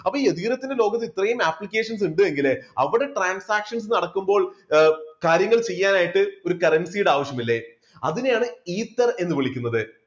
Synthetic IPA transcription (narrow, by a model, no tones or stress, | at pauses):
ɐpːɐiːeðiɡɾɐt̪ːindelo̞ːɡɐt̪ːiit̪ːrɐɐjumaːplikʲːe̞ːʂɐns̬uɳɖɨe̞ŋɡilɐ̰ʋiɽe̞ʈraːnsaːkʂɐns̬enːɐɽɐkːumbo̞ːɭ | kaːɾjɐŋːɐɭt͡ɕe̞jːaːnaːjiʈːɨo̞ɾukɐrɐnsijuɽeaːʋɐɕjɐmilːe̞ | ɐ̰ðinjaːɳɨiːt̪ːɐre̞nːɨʋiɭikʲːunːɐðɨ